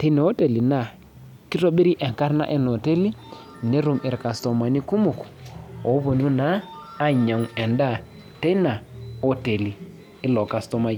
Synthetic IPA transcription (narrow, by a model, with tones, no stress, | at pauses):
te˦na˨o˦te˨li˨na˨ | ki˦to˦ɓi˦ɾi˦ʔɛ˨ŋka˦ɾna̰˦ʔɛ˦nɔ˨te˦li˦ | ne˦ɾu˨mɪ˨ɾka˨stɔ˨ma˨ni˦ku˦mu˨ku̥˨o˨˦bo˨nu˦naː˨˦ | ɲa˨ŋɛ˨nda˦˨ | te˦na˨o˦te˨liː˨˦ | lɔ˨ka˨stɔ˦ma˦j